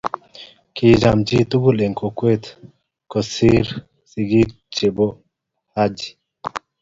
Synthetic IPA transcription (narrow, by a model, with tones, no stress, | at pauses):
ki˨d͡ʒa˨md͡ʒi˦t̪u˦ɡu˦˨le˨ŋko˨kwe˦t̪ | ko˨si˦ɾ | si˨ɡi˦ | t͡ʃe˨bo˦ | ha˦d͡ʒi̥˨